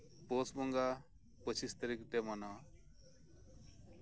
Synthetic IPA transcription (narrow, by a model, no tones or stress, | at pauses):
posmɔŋɡa | pət͡ʃʰist̪əɾikʈ̪emana